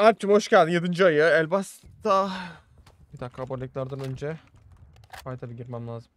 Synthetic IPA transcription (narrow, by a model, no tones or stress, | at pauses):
ap̚t͡ʃ̪ʰɯmho̞ʃcælʲd̪imjed̪ɯnd͡ʒɯajɯɛlʲbast̪a | bid̪akʰːabaɾlʲiclʲæɾd̪anø̞nd͡ʒɛ | fajd̪ʰalɯɟiɾmæmlʲaːzɯm